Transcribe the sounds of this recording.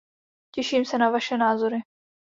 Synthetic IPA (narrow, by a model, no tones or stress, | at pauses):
cɛʃiːmsɛnavaʃɛnaːzoɾɪ